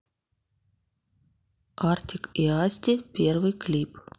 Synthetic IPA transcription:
art̪ʲɪkiasʲt̪ʲɪpʲervɨjklʲip

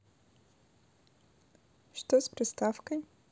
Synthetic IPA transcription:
ʂt̪ospɾʲɪst̪afkəj

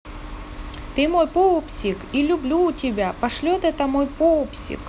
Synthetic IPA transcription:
t̪ɨmo̞jpoʊpsʲɪkilʲʊblʲuːtʲɪbʲapɐʂlʲot̪ɛt̪əmojpoʊpsʲɪ̰k

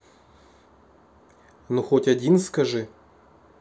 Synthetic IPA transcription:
nuxotʲadʲinskaʐɨ

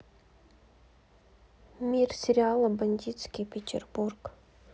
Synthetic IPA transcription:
mʲirsʲɪɾʲɪalˠəbɐnʲd̪ʲit̪skʲipʲetʲɪ̰rburk

